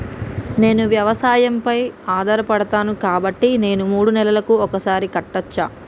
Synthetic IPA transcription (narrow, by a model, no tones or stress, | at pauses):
ne̞ːnuʋjɐʋɐsaːjɐmpɐjaːd̪ʱɐɾɐpɐɽɐt̪aːnukaːbɐʈːine̞ːnumuːɽunɛlɐlɐkuɔkɐsaːɾikɐʈːɐt͡ʃːa̰ː